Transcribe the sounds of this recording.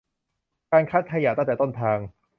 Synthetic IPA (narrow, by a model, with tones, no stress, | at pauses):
kaː˧nkʰaː˦˥t̪̚kʰa˧jaː˨˩t̪ŋt̪ɛː˨˩t̪o˥˩nt̪ʰaː˧ŋ